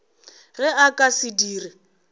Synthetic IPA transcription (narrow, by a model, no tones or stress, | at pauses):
ɣɛakʼasɪdiːrɪ